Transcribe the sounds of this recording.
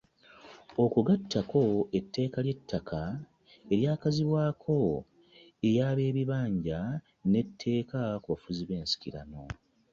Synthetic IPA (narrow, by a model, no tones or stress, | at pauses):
o̞kuɡatʰːakʰo̞e̞tːe̞ːkalje̞tːakʰa | e̞ɾjaːkaziβwaːkʰo̞ | ejaːβe̞ːβiβaːɲɟa | ne̞tʰːe̞ːkakuβafuziβe̞ːnsi̥kiɾa̰no̞